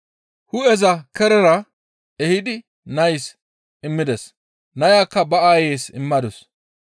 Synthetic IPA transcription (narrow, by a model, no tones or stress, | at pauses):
hʊɛzɐkɛɾɛɾɐ | ɛhɪd̪ɪ | nɐjs | ɪmːɪd̪ɛs | nɐjaːkːɐbɐaːjeːsɪ̰mːɐd̪ɔs